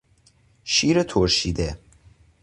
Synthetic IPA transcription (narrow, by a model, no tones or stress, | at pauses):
ʃiɾet̪ʰoɾʃid̪e